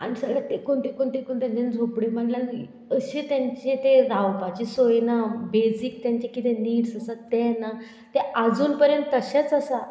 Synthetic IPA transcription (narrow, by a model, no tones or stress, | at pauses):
a̰ɽ̃isəɡɭat̪ekuɳʈ̪ikoɳʈ̪ikuɳt̪jãɲt͡ɕend͡zʱopɽiːm̤əɳlan | əɕet̪jãɲt͡ɕẽt̪eɾawpat͡ɕisojnabesik̚t̪jãɲt͡ɕekit̪eniːɾsəsat̪ena | t̪ead͡zuːnpəɾjənt̪ːəɕet͡səsa